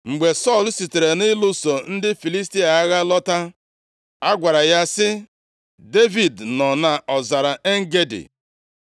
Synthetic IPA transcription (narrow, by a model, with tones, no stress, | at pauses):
ŋ͡m̩˨ɡ͡be˨sɔ˦˨lsi˨te˨ɾe˨nɪ˦lʊ˦so˨n̩˦dɪ˦fi˨li˦sti˦a˨a˦ɣa˦lɔ˦ta˦ | a˦ɡʷa˨ɾa˨ja˦sɪ˦ | de˦vi˨dnɔ˨na˨ʔɔ˨za˨ɾa˨e˦ŋ̩˦ɡe˦dɪ̰˨